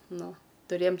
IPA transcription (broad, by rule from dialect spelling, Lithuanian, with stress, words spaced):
ˈnʊ tʊˈrʲeːjɛm